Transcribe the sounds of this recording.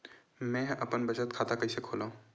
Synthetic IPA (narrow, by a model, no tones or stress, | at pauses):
mɛ̃ɐpənbət͡ʃət̪̚kʰaːt̪akɐisekʰoːlaːũ